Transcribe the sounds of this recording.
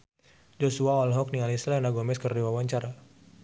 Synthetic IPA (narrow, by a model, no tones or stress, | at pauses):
d͡ʒɔsuaɔlɦɔk̚nialislɛnaɡɔmɛskərdiwawaɲt͡ʃaɾa